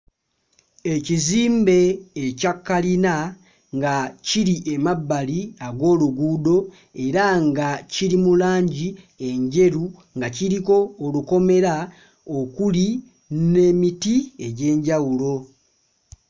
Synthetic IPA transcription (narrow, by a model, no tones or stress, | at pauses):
e̞ciziːmbe̞ːcakːalina | ŋɡaciɾiʔemabːaliaɡo̞ːluɡuːdo̞ | e̞ɾaŋɡaciɾimulaːɲɟi | e̞ɲɟe̞ɾuŋɡaciɾiko̞ːluko̞me̞ɾa | okuli | ne̞ːmitie̞ɟe̞ːɲɟawulo̞